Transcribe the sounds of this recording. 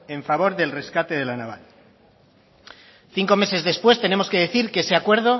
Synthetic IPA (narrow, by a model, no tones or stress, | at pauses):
e̞ɱfaβo̞ɾðe̞lre̞skat̪e̞ðe̞lanaβ̞a̰l | θiŋko̞me̞se̞zðe̞spwe̞st̪e̞nemo̞ske̞ðe̞θiɾkeese̞akwe̞ɾð̞o̞